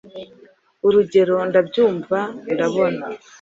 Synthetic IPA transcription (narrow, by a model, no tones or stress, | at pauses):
uɾuɟe̞ɾo̞ndabɟuːɱvaiɾaβo̞na